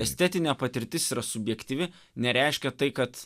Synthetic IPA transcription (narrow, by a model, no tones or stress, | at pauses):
ɛsʲt̪ʲɛt̪ʲɪnʲɛːpɐt̪ʲɪɾʲt̪ʲɪsiːɾɐsʊbʲjɛkt̪ʲiːʋʲɪ | nʲɛɾʲɛɪʃʲkʲɛt̪ɐɪkɐt̪